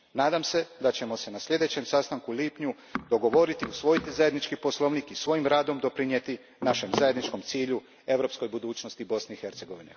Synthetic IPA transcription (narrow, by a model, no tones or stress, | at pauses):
naːd̪amse̞d̪at͡ɕe̞mo̞se̞nasʎʲe̞d̪e̞t͡ɕe̞msast̪aŋkuliːpɲu | d̪̥o̞ɡo̞ʋo̞ɾit̪iusʋo̞jit̪izaje̞d̪nit͡ʃkipo̞slˠo̞ʋnikisʋo̞jimɾaːd̪o̞md̪o̞pɾinjet̪i | naʃe̞mzaje̞d̪nit͡ʃko̞mt̪siːʎu | e̞ʋɾo̞psko̞jbud̪uːt͡ɕnost̪ibo̞sneixe̞ɾt̪se̞ɡo̞ʋine